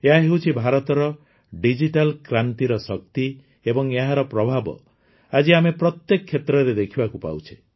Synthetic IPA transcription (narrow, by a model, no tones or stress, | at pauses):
eɦaɦewt͡ʃʰibʱaɾɔt̪ɔɾɔ | ɖid͡ʒiʈalkɾant̪iɾɔsɔk̚t̪i | ebɔŋeɦaɾɔpɾɔbʱabɔ̰ | ad͡ʒiamepɾɔt̪jekkʰːet̪ɾɔɾed̪ekʰibakupa̰wt͡ʃʰi̥